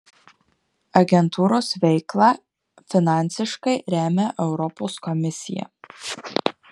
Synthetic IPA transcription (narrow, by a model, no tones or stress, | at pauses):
ɐɡʲɛnt̪ʰuːɾoːsʋʲɛɪklˠɑː | fʲɪnɑˑnʲˑtsʲɪʃkɐɪɾʲæːmʲɛʔɛʊɾɔpoːskɔmʲɪsʲɪjɛ̰